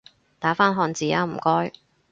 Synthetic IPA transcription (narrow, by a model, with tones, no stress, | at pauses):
t̪aː˨˥faː˥nɦɔː˧nt͡siː˨˧jaː˨˧m̩˨˩kɔː˥j